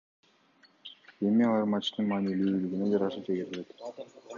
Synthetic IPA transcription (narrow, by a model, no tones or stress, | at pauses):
emiɑlˠɑɾmat͡ʃt̪ɯnmɑːnilyːlyɡined͡ʒɑɾɑʃɯd͡ʒeɡeɾilet̪